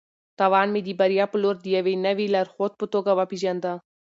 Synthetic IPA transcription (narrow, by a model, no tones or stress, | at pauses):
t̪aʋaːnmẽd̪iːbɐɾijaːpʊloːɾd̪ijaʋenɐʋilɐɾxoːt̪̚pʊt̪oːɡɐʋapid͡ʒand̪aː